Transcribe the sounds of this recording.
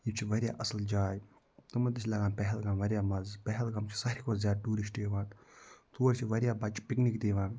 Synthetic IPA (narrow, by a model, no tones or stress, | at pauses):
ibt͡ʃʰiʋɐɾʲja̰ːʔɐsld͡ʒaːj | t̪umɐt̪it͡ʃʰʲlɐɡãːnpɛɦɛlɡãːnʋɐɾʲjaːmɐzpɛɦɛlɡɐmt͡ʃʰi̥sɐɾʲikoːzzʲjaːd̪̚ɖuːɾiʃʈeːʋaːt̪t̪ʰuːɾʲt͡ʃʰiʋɐɾʲjaːbɐt͡ʃpiknikd̪iːʋãːn